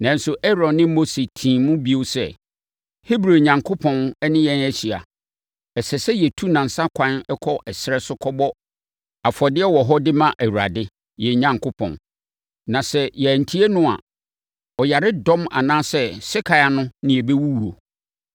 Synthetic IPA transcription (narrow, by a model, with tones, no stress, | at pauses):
nã˨n̩˨˦sʊ˨ʔɛ˦ɾɔ̃˨nːɪ̃˦o˦se˨tʰĩː˨mʊ̃˦bi˦o˦sɛ̰˦˨ | hi˦bɾo˨ɲã˨ŋkʰo˦pʰɔ̃˨nɛ˦nɪ̃˦jɛ̃˦næ˦ɕi˨a̰˨ | ɛ˨sɛ˨sɛ˦jɛ˨tʰu˦nã˨n̩˨sa˦kʷʰã˦nɛ˦kʰɔ˦ʔɛ˨sɪ˨˦ɾɛ˦sʊ˦kʰɔ˦bɔ˦ | a˨fɔ˨dɪ˦ɛ˦wɔ˨ɦɔ˦dɪ˦mã˦ʔæ˨wu˨ɾa̰˨dɪ˦ | jɛ˨ɲã˨ŋkʰo˦pʰɔ̰̃˨n | nã˨sɛ˦jɛ˨æ˨n̩˨tʰi˦e˦nʊ̃˦a̰˨ | ɔ˨ja˨ɾɪ˦dɔ̃˦ma̰˨nãː˦sɛ˦sɪ˦kʰa˨ja˨nʊ̃˦nɪ̃˨˦ɛ˨be˦wu˦wu˨o˨